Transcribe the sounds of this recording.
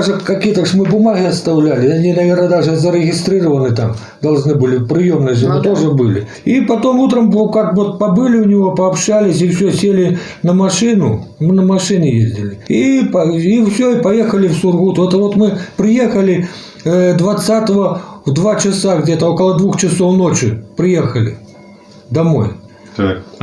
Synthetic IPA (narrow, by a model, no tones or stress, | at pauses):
ʐɨkɐkʲijət̪akʂmɨbʊmaɣʲɪɐst̪awlʲælʲɪanʲinɐvʲernəd̪aʐɨzəɾɪɣʲɪst̪ɾɨɾəvənɨt̪am | d̪ɐlˠʐnɨbɨlʲɪpɾɨjemnɨjʐmɐt̪oʐɨbɨlʲɪ̰ | ipɐt̪omut̪ɾəmkakvot̪̚pɐbɨlʲɪʊnʲɪvopɐɐpɕalʲɪs̬ʲifsʲosʲelʲɪ | nɐmaʂɨnʊmɨnəmɐʂɨnʲɪjezʲdʲɪlʲɪipɐifsʲoipɐjexəlʲɪfsurɣut̪ɛt̪ɐvot̪mɨpɾɨjexəlʲɪ | d̪vɐt̪sat̪əvəvd̪vat͡ɕɪsaɣd͡zʲɛt̪əokəlˠəd̪vuxt͡ɕɪsownot͡ʃɪpɾɨjexəlʲɪ̰ | d̪ɐmo̰j̪